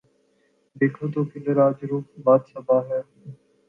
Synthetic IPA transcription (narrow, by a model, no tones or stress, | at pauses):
d̪eːkʰoːt̪oːkɪnd̪eɾaːd͡ʒɾuːp̚baːd̪səbʱaːɦɛː